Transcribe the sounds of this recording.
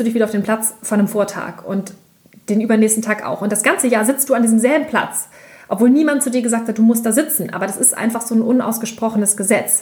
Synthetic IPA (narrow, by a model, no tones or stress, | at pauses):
d̥uːdɪçviːdɐaʊd̥eːnmplat͡sfɔnəmfoːɐtʰa̰ːkʊnt | d̥eːnʔyːbɐnɛːstn̩tʰaːka̰ʊxʊntd̥asɡ̥ant͡səjaːzɪt͡st̚d̥uːandiːzəmzɛːbn̩pʰl̥a̰t͡s | ʔɔpvoːlniːmant̚t͡suːdiːɐɡəzaːk̚tʰhat̚d̥uːmʊst̚d̥aːzɪt͡sn̩ʔa̰ːbɐdasɪstʔa̰ɪnfaχz̥oːnʔʊna̰ʊsɡ̥əʃpʁ̥ɔχənəsɡ̥əzɛt͡s